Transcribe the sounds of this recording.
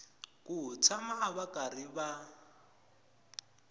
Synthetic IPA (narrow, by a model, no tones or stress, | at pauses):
kʼut͡sʰamaaβakʼariba